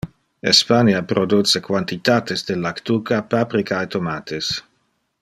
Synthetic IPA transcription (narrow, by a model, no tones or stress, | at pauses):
ḛspanjapɾod̪ut͡sekwant̪it̪aːt̪esd̪elakt̪ukapapɾikʰaet̪omat̪ʰes